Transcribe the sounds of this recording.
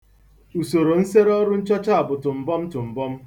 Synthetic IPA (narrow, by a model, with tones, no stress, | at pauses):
u˨so˨ɾo˨n̩˦se˦ɾɔ˦ɾʊ˦n̩˦t͡ʃɔ˦t͡ʃa˦a˨bʊ˨tʊ˨m̩˨bɔ˦m̩˦tʊ˨m̩˨bɔ˦m̩˦